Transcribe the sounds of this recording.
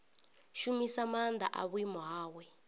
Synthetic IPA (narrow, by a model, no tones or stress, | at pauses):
ʃumisamand̪a̰ʔa̰βwimaːwɛ